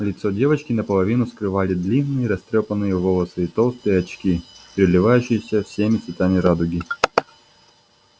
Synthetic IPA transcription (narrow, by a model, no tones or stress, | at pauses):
lʲɪt̪sɔdʲevɐt͡ɕkʲɪnɐpɐlˠɐvʲinʊskɾɨvalʲɪd̪lʲinːɨjɾɐst̪ɾʲɔpɐnːɨjɛvɔlˠɐsɨːt̪olˠst̪ɨjɛɐt͡ɕkʲipɾʲɪlʲɪvajʉɕɪjɪsʲɐfsʲemʲɪt̪sʋʲɪt̪amʲɪɾad̪ʊɡʲi